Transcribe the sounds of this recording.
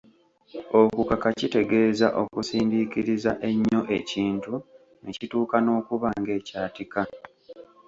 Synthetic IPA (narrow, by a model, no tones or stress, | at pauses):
o̞kukakacite̞ɡe̞ːza̰ʔo̞kusiːndikiɾizaʔe̞ɲːo̞ʔe̞ciːntu | nʔecituːkano̞ːkuβaːŋɡe̞ːcaːtika